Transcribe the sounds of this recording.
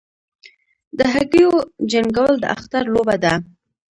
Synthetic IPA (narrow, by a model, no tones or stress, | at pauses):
d̪əɦaɡijod͡ʒaŋɡawəld̪ə̰ʔa̰xt̪aɾlobad̪a